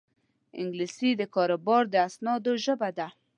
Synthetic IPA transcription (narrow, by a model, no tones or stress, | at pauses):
ɪ̰ŋɡlisid̪əkɔɾobɔɾd̪əasnɔd̪oʒəbad̪a